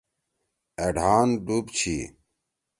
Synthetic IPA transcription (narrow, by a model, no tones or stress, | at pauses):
eɖʱaːnɖubt͡ɕʰi